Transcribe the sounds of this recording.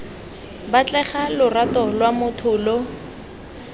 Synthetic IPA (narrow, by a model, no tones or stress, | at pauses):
bat͡ɬɛχalʊratɔlwamʊtʰʊːlo